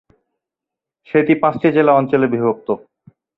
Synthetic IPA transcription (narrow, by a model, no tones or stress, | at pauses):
ʃet̪ipãt͡ɕʈid͡ʑelaɔnt͡ɕolebibok̚t̪o